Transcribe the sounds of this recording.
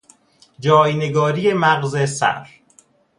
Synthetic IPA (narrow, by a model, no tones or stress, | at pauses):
d͡ʒɒːjne̞ɡɒːɾijemæɣzesæ̰ɾ